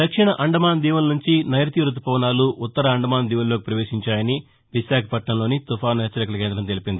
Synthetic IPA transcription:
d̪ɐkʂiɳɐʔɐɳɖɐmaːnd̪iːʋɐlɐnuɲt͡ʃinɐjɾɐt̪iɾut̪̬ːupɔːʋnaːluʔːt̪ːɐɾɐɐɳɖɐmaːnd̪iːʋɐlloːkipɾɐʋe̞ːʃiɲt͡ʃaːjɐni | ʋiʃaːkʰɐpɐʈɳɐmlo̞ːnit̪ufaːnɦɛt͡ʃːɐɾɐkɐlɐk̬eːnd̪ɾɐmt̪elipind̪i

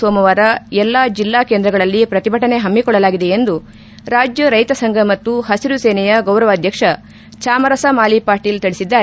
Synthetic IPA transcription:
oːmɐʋaːɾɐɛlːaːd͡ʒilːaːkend̪ɾɐɡɐɭɐlːipɾɐt̪ibʱɐʈɐne̞ɦɐmːikɔɭːɐlaːɡid̪e̞end̪u | ɾaːd͡ʒjɐɾɐjt̪ɐsɐŋɡʱɐmɐt̪ːuhɐsiɾuseːnɛjɐɡɐwɾɐʋaːd̪ʱjɐkʂɐ | t͡ʃaːmɐɾɐsɐmaːlipaːɾʈiːlt̪iɭisid̪ːaː

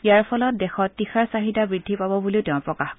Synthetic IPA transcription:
ijaɹpʰɔlɔt̚dexɔtːixaɹsaɦitabɹidʱːipabɔbuliʊtɛʊ̃pɹɔkax

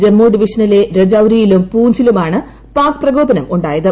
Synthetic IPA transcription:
d͡ʑe̞mːoːɖiʋiʂɐnɐle̞ɾed͡ʑɐwɾijilumpuːɲd͡ʑilumaːɳɨ | paːkɨ̥prɐɡo̞ːbɐnɐmuɳɖaːjɐðɨ

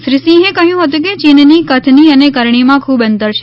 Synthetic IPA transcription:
ʃɾɪsĩɦẽkəɦjũɦət̪̬ũk̬et͡ʃinnikət̪ʰniənekəɾɳimãkʰuːbənt̪əɾt͡ʃʰe

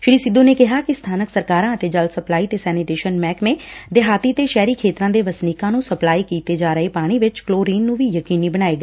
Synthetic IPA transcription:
ʃɪɽ̃iːsɪd̪õːneːkɪɦaːkɪst̪ʰaːnəksəɾkaːɾãːət̪eːd͡ʒəlsəplaːiːt̪eːsɛːniʈeːʃənmɛːkmẽːd̪eɦaːt̪iːt̪eːʃɛːɾiːkʰeːt̪ɾãːd̪eːʋəsniːkãːnũːsəplaːiːkiːt̪eːd͡ʒaːɾəeːpaːɽ̃iːʋɪt͡ʃkloːɾiːnːũːʋiːjəkiːniːbəɽ̃aːeːɡː

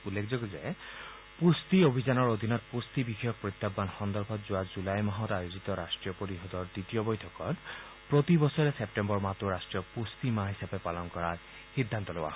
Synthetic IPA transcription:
ulːekʰzoɡɔzɛ | pust̪iobʱizanɔɹod̪ʱinɔtpust̪ibixɔjɔk̚pɹit̪ːabːanxɔnd̪ɔɹbʰʱɔtzʊwazulajmaɦɔtajozit̪ɔɾasʈɹijɔpoɾiɦɔd̪ɔɹdɹitijɔbojtʰɔkɔt | pɹot̪ibɔsɔɹɛsep̚ʈembɔɹmat̪oɹasʈɹijɔpust̪imaɦisapɛpalɔnkɔɹaɹ | xid̪ʱːant̪ɔlowa̰

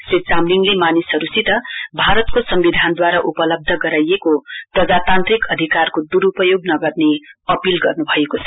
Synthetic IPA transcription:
set͡samliŋɡlemanisɦʌɾusit̪ʌbʱaɾʌt̪kosʌmbid̪ʱand̪waɾaʔupʌlʌb̚d̪ʱʌɡʌɾajekoprʌd͡zat̪ant̪rikʌd̪ʱikarkod̪uɾupʌjoɡnʌɡʌrneʌpilɡʌrnubʱʌekot͡sʰʌ

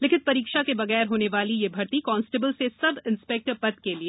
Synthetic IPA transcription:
leːkɪnpɐɾiːkʃakebɐɣɛːɾɦoːneʋaːlijebʱɐɾt̪ikɔːnsʈebəlsesɐbɪ̃nspɛk̚ʈəɾpɐt̪kelie

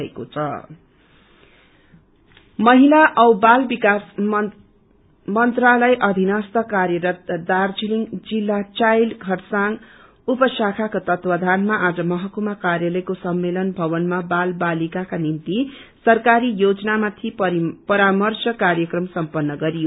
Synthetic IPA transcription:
ḛko̰t͡sʰʌ | mʌɦilaʔʌwbalbikas | mʌnt̪ralʌjʔʌd̪ʱinʌst̪ʌkarjʌɾʌt̪̚d̪ard͡ziliŋd͡zilːat͡sajlɡʱʌrsaŋ | upʌsakʰakot̪ʌt̪pʌd̪ʱanmaʔad͡zʌmʌɦʌkumakarjalʌjkosʌmːelʌnbʱʌβʌnmabalbalikakanint̪i | sʌrkaɾijod͡zʌnamat̪ʰipʌɾamʌrsʌkarjʌkrʌmsʌmpʌnːʌɡʌɾijo

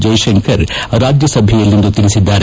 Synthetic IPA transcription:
d͡ʒɐjʃɐŋkʰɐɾɾaːd͡ʒjɐsɐbʱɛjɐlːind̪ut̪ilisid̪ːaːɾe

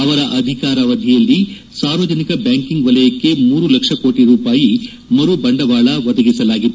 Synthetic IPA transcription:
ɐʋɐɾɐʔɐd̪ʱikaːɾɐʋɐd̪ʱijɐlːi | saːɾʋɐd͡ʒɐnikɐbjaːŋkiŋɡʋɐlɐjɐkːe̞muːɾulɐkʂɐkoːʈiɾuːpaːji | mɐɾubɐɳɖɐʋaːɭɐʋɐd̪ɐɡisɐlaːɡit̪ːu

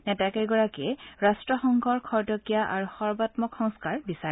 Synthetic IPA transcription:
nɛtakɛɡɔɹakɛɛɹastɹɔxɔŋɡʱɔɹkʰɔɹdɔkijaʔa̰ɹuxɔɹbatmɔkxɔŋskaɹbisa

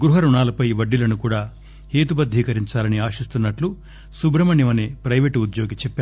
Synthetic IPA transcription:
ɡɾuɦɐɾuɳaːlɐpɐjʋɐɖːilɐnukuːɽaː | heːt̪ubɐd̪ʱːiːkɐɾiɲt͡ʃaːlɐniaːʃist̪unːɐʈlu | subɾɐmɐnjiʋɐneːpɾɐjʋeːʈud̪jo̞ːɡit͡ʃɛpːaː

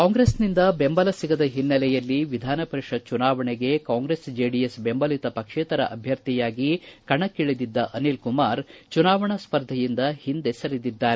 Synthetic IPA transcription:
kaːŋɡɾesnind̪ɐbembɐlɐsiɡɐd̪ɐɦinːɐlɛjɐlːiʋid̪ʱaːnɐpɐɾiʂɐt͡ʃunaːʋɐɳeɡe̞kaːŋɡɾesd͡ʒeːɖijesbembɐlit̪ɐpɐkʂeːt̪ɐɾɐ̰ʔɐbʱjɐɾt̪ijaːɡikɐɳɐkːiɭid̪id̪ːɐʔɐnilkumaːɾt͡ʃunaːʋɐɳɐspɐɾd̪ʱɐjind̪ɐhind̪esɐɾid̪id̪ːaːɾe

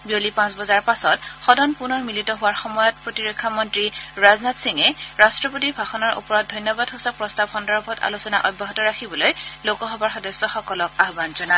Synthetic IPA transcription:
biolipãsbɔzaɹpasɔtxɔdʱɔnpunɔɹmilitɔɦʊwaɹxɔmɔjɔt̚pɹotiɹɔkʰːamɔntɹiɹaznatsiŋɛɹastɹɔpot̬ibʱaxɔnɔɹṵpɔɹɔt̚dʱɔjnjɔbadɦosapːɹɔstab̚xɔndɔɹbʱɔta̰lusɔna̰ʔɔj̚bʱaɦɔtɔɹakʰibɔlojlokɔɦɔbaɹxɔdɔsːɔxɔkɔlɔk̚aɦbanzɔna

